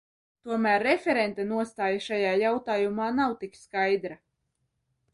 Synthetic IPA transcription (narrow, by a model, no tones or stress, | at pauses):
t̪uɔmæːɾːefʲeɾent̪anuɔst̪aːjaʃajaːjawt̪aːjumaːnawt̪ikskajd̪ɾa